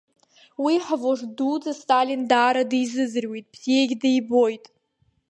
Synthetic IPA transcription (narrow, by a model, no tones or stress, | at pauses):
wiħavoʐdud͡zastʼalindaːɾadijzɨzɨrwejtʼb̥z̥ijejɡʲdajbo̞jtʼ